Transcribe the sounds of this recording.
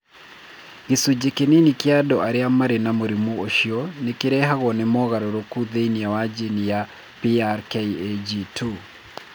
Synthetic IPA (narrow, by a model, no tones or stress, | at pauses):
ɣesud͡ʒekeninikjadɔʔaɾeamaɾenamoɾimuoʃiɔnekeɾɛɦaɣɔnemɔɣaɾoɾokuðeinijawad͡ʒenija | piaɾkeied͡ʒitʰu